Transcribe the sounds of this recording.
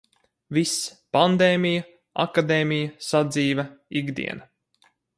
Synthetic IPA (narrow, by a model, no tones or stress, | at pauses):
vispand̪eːmʲija | a̰kad̪eːmʲijɐsad̪ziːvɐiɡd̪ḭɛnɐ